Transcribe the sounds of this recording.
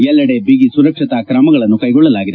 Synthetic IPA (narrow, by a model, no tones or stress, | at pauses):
jɛlːɐɽebiɡisuɾɐkʂit̪ɐkɾɐmɐɡɐɭɐnːukɐjɡɔɭːɐlaːɡid̪e